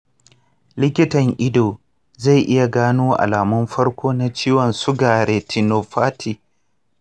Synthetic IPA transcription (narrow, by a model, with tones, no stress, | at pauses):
lɪ˦kʲɪ˦tɐ˨ŋʔɪ˦doː˨ | za˦˨ʔɪ˦ja˨ɡaː˦nuː˦ʔa̰˨laː˨mʊ˦mɸɐ˦ɽkʷoː˦na˦t͡ʃiː˦wɔ˨nsʊ˦ɡaː˨ɽeː˨tʰi˨noː˨ɸaː˦tʰi˨